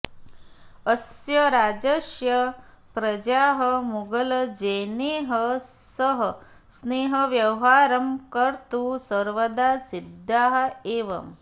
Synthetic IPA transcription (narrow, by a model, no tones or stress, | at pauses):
ɐsjɐɾaːd͡ʒɐʃjɐ | pɾɐd͡ʒaːɦɐmuɡɐlɐd͡ʒeːneːɦɐsɐɦɐ | sneːɦɐʋjɐwɦaːɾɐmkɐɾt̪usɐɾʋɐd̪aːsid̪ːaːɦɐ̆eːʋɐ̰m